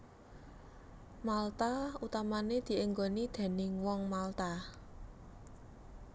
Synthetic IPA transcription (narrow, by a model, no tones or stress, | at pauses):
malt̪aut̪amaned̪̥i̤ʔeŋɡonid̪̥e̤nɪŋwɔŋmalt̪a